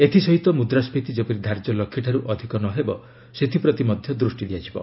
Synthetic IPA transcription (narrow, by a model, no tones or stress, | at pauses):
et̪ʰisɔɦit̪ɔmud̪ɾaspit̪id͡ʒopiɾid̪ʱaɾd͡ʒɔlɔkʰːiʈʰaɾuʔɔd̪ʱikɔnɔɦebɔ | set̪ʰipɾɔt̪imɔd̪ʱjɔd̪ɾusʈid̪ijat͡ʃʰibɔ̰